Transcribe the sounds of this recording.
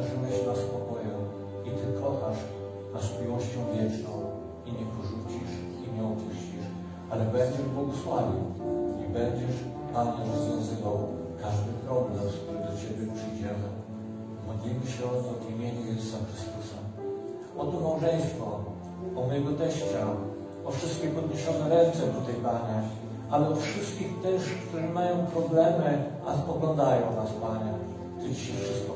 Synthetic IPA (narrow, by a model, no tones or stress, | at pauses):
ʐuwɛɕnaspɔkɔjɛ | it̪ɘkʰɔxaʂ | nasmʲiwɔɕt͡ɕɔ̃w̃vʲjɛt͡ʂnɔ̃w̃ | iɲɛpɔʐut͡ɕiʂ | imɲɛɔpuɕt͡ɕiʂ | alɛbɛɲd͡ʑɛʐbwɔɡɔswavʲiwibɛɲd͡ʑɛʂ | p̪amɲɛɾɔzvʲjɔ̃zɘvaw | kaʐd̪ɘpɾɔblɛmsk̚t̪uɾɘd̪ɔt͡ɕebʲjɛpʂɘjd͡ʑɛmɘ | mɔd̪lʲimɘɕɛɔt̪d̪imʲjeɲɛjɛzusaxɾɘst̪usa | ɔt̪ɔmawʐɛj̃st̪fɔ | ɔmɔjɛɡɔt̪ɛɕt͡ɕa | ɔfʂɘst̪kʲixpɔd̪ɲeɕɔnɛɾɛnt̪sɛd̪ɔt̪ɛjpaɲɛ | alɛɔfʂɘɪst̪kʲixt̪ɘʂkt̪uɾɛmajɔ̃w̃pɾɔblɛmɘ | a̰spɔɡlɔ̃nd̪ajɔ̃w̃naspaɲɛ | tɨd͡ʑʲiɕɛfʂɘst̪̚kɔ